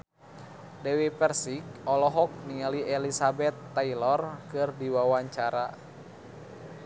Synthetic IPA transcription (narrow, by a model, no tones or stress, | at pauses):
dɛwipɛrsik̚ɔlɔɦɔk̚niŋaliɛlisabɛt̪ːailɔrkɨrdiwawaɲt͡ʃaɾa